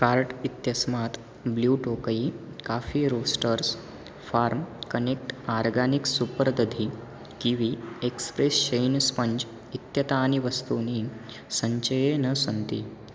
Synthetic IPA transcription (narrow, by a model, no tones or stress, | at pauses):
kaɾʈit̪jəsmat̪ | bljuʈokəi | kafiːɾosʈəɾs | faɾmkənek̚ʈaɾɡaniksupɾəd̪əd̪ʱi | kiʋiekspɾesɕəjnspəɲd͡ʒ | it̪jɐt̪aːniʋəst̪uni | səɲt͡ɕəjenəsənt̪ḭː